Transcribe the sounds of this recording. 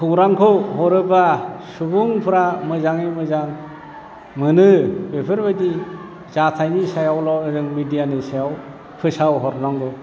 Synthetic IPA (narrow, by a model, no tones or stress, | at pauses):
kʰɯwɾaŋkʰɯwɦɔɾɯbasubuŋpʰɯɾamɯzaŋimɯzaŋ | mɯnɯbepʰɯɾbadi | zatʰajnisajawlawnɯzɯŋmidijanɯsajaw | pʰɯsawɦɔɾnaŋɡɔ